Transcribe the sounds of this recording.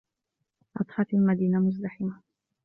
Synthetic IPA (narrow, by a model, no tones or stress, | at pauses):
ʔɑt̪ˤħɑt̪almad̪iːnamʊzd̪aħɪma